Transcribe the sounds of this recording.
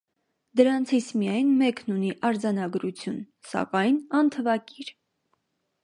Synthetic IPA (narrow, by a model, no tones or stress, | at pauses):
d̪əɾɑnt͡sʰit͡sʰmijɑjnmɛknuniʔɑɾd͡zɑnɑɡɾut͡sʰjun | sɑ̰kɑjnɑnt̪ʰəvɑkiɾ